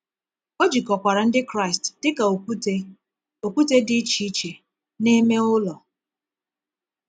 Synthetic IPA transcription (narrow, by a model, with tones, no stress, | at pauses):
o˦d͡ʒi˨kɔ˨kʷa˨ɾa˨n̩˦dɪ˦kɾa˦ɪ˨std̥ɪ˦ka˨o˨˦e˦ | o˨kʷu˦te˦dɪ˦t͡ʃi˦t͡ʃe˨ | ne˦me˦ʊ˦lɔ˨